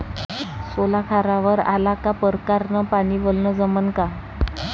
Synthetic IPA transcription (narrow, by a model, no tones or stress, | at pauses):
solakʰaɾaʋəɾa̰lakapəɾkaɾnəpaɽ̃iːʋəlnəd͡zəmənka